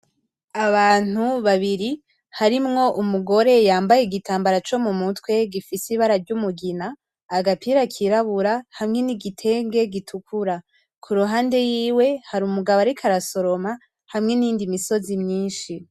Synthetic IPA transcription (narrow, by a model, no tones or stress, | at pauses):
aβaːn̥uβaβiɾi | haɾimŋo̞ʔumuɡo̞ɾe̞jaːmbajeɡitʰaːmbaɾat͡ʃo̞mumutwe̞ɡifisiβaɾaɾɟumuɡinaː | ɡapʰiːɾakʰiɾaβuɾahamŋe̞niɡitʰe̞ːŋɡe̞ɡitʰukʰuɾa | kʰuɾuɦaːnde̞jiːwe̞haɾumuɡaβaɾikʰaɾaso̞ɾo̞ma | hamŋe̞nindimiso̞zimɲiːnʃi